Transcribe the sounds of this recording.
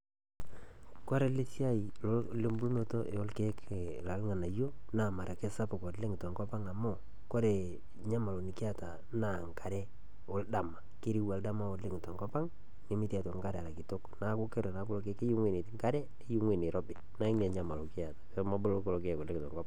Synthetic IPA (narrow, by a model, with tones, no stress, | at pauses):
kwa˦ɾe˦le˦sja˦i˨lole˦mbu˦lu˦mo˦to˦ʔe˨o˦lke˦kla˨lŋa˨na˨jo˦na˨ma˨ɾa˨ke˦sa˦pʊ˨kɔ˨tle˦ŋ˨tɔ˨ŋkɔ˦pa˦ŋa˨mo˦˨ | ko˦ɾe˨ | ɲa˦ma˨lo˨ni˨kɪ˦a˨ta˨ | na˨ŋka˨ɾɛ˦ | o˨˦lda˨ma˨ke˦ɾi˦wa˨lda˦ma˦o˨le˦ŋɪ˨tɔ˨ŋɡɔ˦pa˦ŋ | ne˨˦mi˦tɛ˨to˨ŋka˦ɾa˨ɾa˨ki˨to˦kna˨˦ko˦ke˦ɾe˨na˦ko˦lo˦ke˦ke˦ju˦ŋwe˦˨ne˨tŋka˦ɾɛ˦ | e˦ju˦ŋwe˨ne˨ɾɔ˦bɪ˨na˨˦i˦ŋne˨ɲa˦ma˨lo˨kɪ˦a˨tḁ˨˦ma˦bʊ˦lo˦ko˦lo˨ke˦˨kɔ˨le˦ŋtɔ̰˨ŋɡɔ˦pa˦